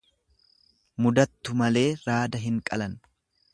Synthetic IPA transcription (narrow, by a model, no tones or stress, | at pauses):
mʊd̪ɐt̪ːʊmɐle̞ːɾaːd̪ɐɦɪŋkʼɐlɐn